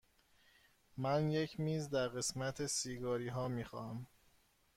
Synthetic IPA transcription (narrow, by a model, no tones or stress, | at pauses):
mænje̞cʰmiːzd̪æɾɣe̞smæt̪ʰesiːɡɒːɾiːɦɒːmiːxɒːhæm